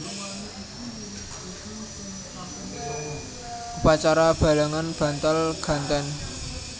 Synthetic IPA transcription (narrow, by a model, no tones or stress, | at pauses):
ʔupat͡ʃaɾab̥a̤laŋanb̥ä̤nt̪alɡ̥a̤nt̪ɛn